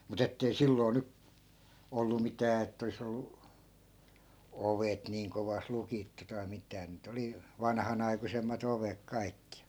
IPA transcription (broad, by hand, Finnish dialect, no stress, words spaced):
mut etːei silːoi̯ ny olːu mitæː etː olis olːu oʋet niːŋ koʋɑs lukitːu tɑi mitˑæː niːt oli ʋɑnɑ̆hɑnɑikusemːɑt oʋek kɑikːi